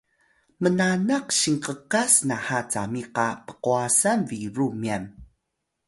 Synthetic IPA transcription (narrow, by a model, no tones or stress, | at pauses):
mənanaqɕiŋqəkasnahat͡sa̰miqapə̥quasanviɾumiam